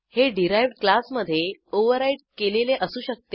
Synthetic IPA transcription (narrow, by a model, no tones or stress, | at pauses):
heɖiɾajʋɖklasməd̪ʱːjeoʋəɾaiʈ̚keleleʔəsũːɕək̚t̪e